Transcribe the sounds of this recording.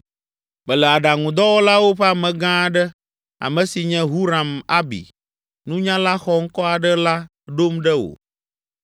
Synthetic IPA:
bɛ˨lɛ˨a˨ɖa˨ŋũ˨d̪ɔ˦wɔ˦la˦wo˦ɸɛ˦a˦mɛ̃˨ɡã˦˨ɖɛ˦ | a̰˨mɛ̃˨si˨ɲɛ̃˦ɦu˦ɾã˨ma˦bḭ˨ | nũ˦ɲã˦la˦xɔ˨ŋ̩˦kɔ˦a˨ɖə˦la˦ | ɖo˦mɖɛ˦wo̰˨

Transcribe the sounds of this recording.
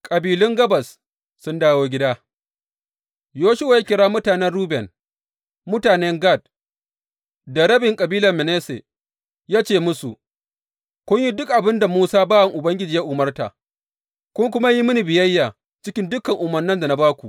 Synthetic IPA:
kʼɐ˨biː˨lʊ˦ŋɡɐ˦bɐ˨sː | ʊ˦ndaː˦woː˦ɡʲɪ˦daː˦ | joː˦ʃʊ˦wa˨ja˦kʲɪ˨ɽaː˦mʊ˦taː˨nɛ˦nɽuː˦bɛ˨n | mʊ˦taː˨nɛ˦ŋɡa˦˨d̚ | da˨ɽɐ˦bɪ˨ŋkʼɐ˨biː˦lɐ˨mɪ˨neː˦sḛ˨ | jaː˦t͡ʃeː˦˨mʊ˦su˨ | kʷʊ˦ɲji˦dʊ˦k̚ʔa˨bɪ˦nda˨muː˦saː˦baː˦wɐ˨ŋʔʊ˨bɐ˦ŋɡʲɪ˦d͡ʒiː˨ja˦ʔʊ˨mɐ˦rta̰˨ | kʷʊ˦ŋk̬ʷʊ˦ma˦ji˦mʊ˦ni˨bɪ˨jɐ˦jːaː˨ | t͡ʃɪ˦kʲɪ˦ndʊ˦kːɐ˨ŋʔʊ˨mɐ˨nːɐ˦nda˨na˨˦baː˦kʷu˨ʔ

